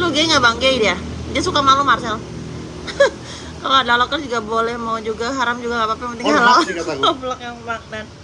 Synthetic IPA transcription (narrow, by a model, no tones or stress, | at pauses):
luɡejŋabaŋɡeidia | diasukamalumarsɛl | oadalɔkərd͡ʒuɡabolɛhmawd͡ʒuɡaɦaɾamd͡ʒuɡaapapaŋpənt̪iŋalawblɔk̚jaŋbaŋdan